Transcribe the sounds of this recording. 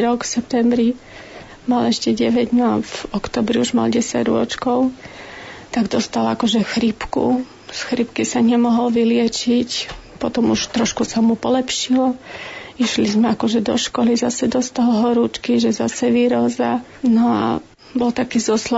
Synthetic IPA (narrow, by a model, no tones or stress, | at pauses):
ɾɔkfsɛp̚t̪ɛmbɾi | malɛʃcɛɟɛʋɛɟ̪nɔavɔkt̪ɔːbɾiuʒma̰lɟɛsa̰ɟɾʊɔ̰t͡ʃkɔʊ | t̪aɡd̪ɔst̪alakɔʒɛxɾipkṵ | sxɾipkisaɲɛmɔɦɔlʋilɪɛt͡ʃicpɔt̪ɔmuʃt̪ɾɔʃkusamupɔlɛpʃilɔiʃlizmɛakɔʒɛd̪ɔ̰ʃkɔlizasɛd̪ɔst̪alɦɔɾuːt͡ʃkiʒɛzasɛʋiɾɔza | nɔa̰ | bɔlt̪akiːzɔslɔ